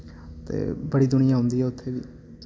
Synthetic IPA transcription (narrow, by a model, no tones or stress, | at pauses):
t̪ḛːbəɽiːd̪ʊɽ̃ɪjãːɦʊ̃nd̪iːɦɛːʊt̪ʰːeːʋḭː